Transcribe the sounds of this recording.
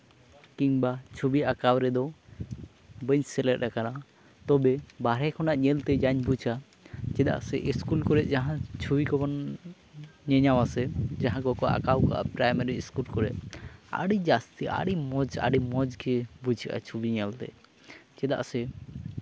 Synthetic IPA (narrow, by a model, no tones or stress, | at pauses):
kiɲbat͡ʃʰubiakawɾɛd̪ɔ | bəɲsɛlɛt̚akana | t̪ɔbɛbaɾɛkʰɔnaʔɲɛlt̪ɛd͡ʒaɲbut͡ʃʰa | d͡ʒɛd̪a̰ʔsɛʔiskulkɔɾɛʔ̪̚d͡ʒaɦãt͡ʃʰubikɔbɔn | ɲɛɲawasɛd͡ʒaɦãɡɔkɔʔa̰kawka̰ʔa̰pɾajmaɾiskulkɔɾɛ̰ʔ̪̚a̰ɽid͡ʒast̪ia̰ɽimɔd͡ʒa̰ɖimɔd͡ʒkɛbud͡ʒʰika̰t͡ʃʰubiɲɛlt̪ɛ̰ | d͡ʒɛd̪a̰ʔsɛ